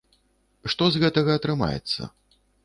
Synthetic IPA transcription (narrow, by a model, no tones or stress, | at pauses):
ʂt̪ɔzɣɛt̪ɐɣɐːt̪ɾɨma̰jɛ̰t̪sːɐ̰